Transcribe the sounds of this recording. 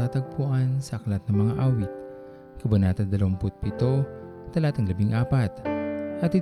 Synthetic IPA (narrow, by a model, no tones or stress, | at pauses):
at̪ɐɡ̚pʊʔansɐʔɐklat̪̚nɐŋmɐŋaʔaːwɪt̪̚ | kɐbɐnaːt̪ɐd̪ɐlɐwɐŋpʊt̪̚pɪit̪o̞ | t̪ɐlat̪ɐŋlɐbiŋʔaːpat̪̚ʔɐt̪ɪ